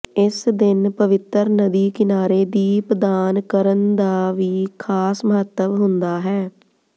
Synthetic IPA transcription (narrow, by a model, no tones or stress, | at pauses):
ɪsd̪ɪnpəʋɪt̪əɾnəd̪iːkɪnaːɾeːd̪iːpd̪aːnkəɾənd̪aːʋiːkʰaːsməɦət̪ːəʋɦʊ̃nd̪aːɦɛː